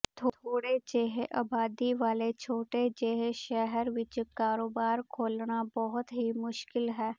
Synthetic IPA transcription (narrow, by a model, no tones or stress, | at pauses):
t̪ʰot̪ʰoːɽed͡ʒeːɦeʔaːbaːd̪iʋaːlet͡ʃʰoːʈed͡ʒeːɦeʃɛɦəɾʋɪt͡ʃkaːɾoːbaːɾkʰoːlɳabɔɦʊt̪ɦimʊʃkɪlɦɛː